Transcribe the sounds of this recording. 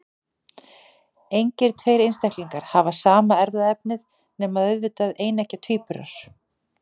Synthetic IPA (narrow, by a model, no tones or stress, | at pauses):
ejɲcɪɾ̥t̪ʰvejɾejnst̪ɛhkliŋkaɾ̥havasaːmaɛɾðaðɛpnɪð | nɛːmaðœðvɪt̪aðeːjnɛhcat̪ʰiːpʏɾa̰ɾ̥